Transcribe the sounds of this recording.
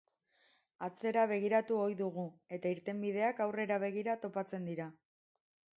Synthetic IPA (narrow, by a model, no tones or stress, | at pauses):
at͡se̞ɾaβ̞e̞ɣ̞iɾat̪uo̞jðuɣ̞ue̞t̪aiɾt̪e̞mbið̞e̞akawre̞ɾaβ̞e̞ɣ̞iɾat̪o̞pat͡se̞nd̪iɾa